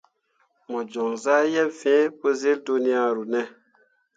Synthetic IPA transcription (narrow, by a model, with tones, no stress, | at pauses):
mɔ˨d͡ʒɔ˨ŋza˦jɛ˦bfẽ˨˦po˦ze˦ldu˦ni˦a˦ɾu˨nɛ˦